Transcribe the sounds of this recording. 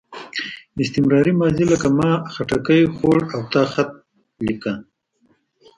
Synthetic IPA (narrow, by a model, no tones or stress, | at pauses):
ɪst̪ɪmɾɑɾimɑːziləkamɑːxaʈakəjxoɽawt̪ɑːxat̪̚ | lika